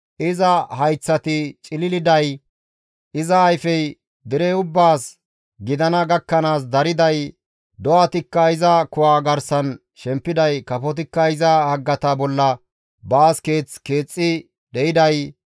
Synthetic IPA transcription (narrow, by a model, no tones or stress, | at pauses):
ʔɪzɐhɐjt͡sːɐt̪ɪt͡ʃʼɪlɪlɪd̪ɐj | ʔɪzɐːjfɛj | d̪ɪɾɛʊbːaːs | ɡɪd̪ɐnɐɡɐkːɐnaːs̬d̪ɐɾɪd̪ɐj | d̪ɔʔɐt̪ɪkːɐɪzɐkʊwaːɡɐɾsɐn | ʃɛmpːɪd̪ɐjkɐfɔt̪̬ɪkːɐɪzɐhɐɡːɐt̪ɐbɔlːɐ | baːske̞ːt͡ske̞ːt͡sʼːɪ | d̪ɛʔɪd̪ɐj